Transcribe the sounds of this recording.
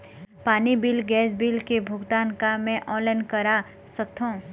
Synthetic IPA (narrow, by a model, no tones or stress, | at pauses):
paːnibilɡɛːs̬bilkebʱʊɡt̪aːnkamɛ̃ʔɔ̃ːnlaɪnkəɾa | səkt̪ʰɦõ